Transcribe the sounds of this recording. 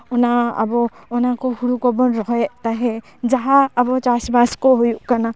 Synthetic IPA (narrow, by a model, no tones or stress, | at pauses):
ɔnaa̰bɔːnakɔhuɾukɔbɔnɾɔɦɔɛt̪aɦɛ | d͡ʒaɦaːbɔt͡ʃasbaskɔɦojuʔkana